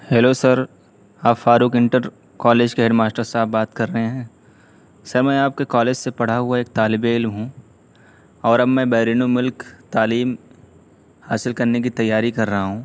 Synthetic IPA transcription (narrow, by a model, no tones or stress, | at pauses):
hɛːlosɐɾ | aːpfaːɾuːkɪ̃ɳʈəɾ | kɔːleːd͡ʒkeɦeɖmaːsʈəɾsaːbbaːt̪kɐɾːɐɦẽɦɛ̃ː | sɐɾmɛ̃ːaːp̚kekɔːleːd͡ʒsepɐɽ̤aɦuaeːk̚t̪aːlɪbeɪlmɦũ | ɔːɾɐbmɛ̃ːbɛːɾiːnomʊlkt̪aːliːm | haːsɪlkɐɾnek̬it̪ɐjːaːɾikɐɾːɐɦaɦũː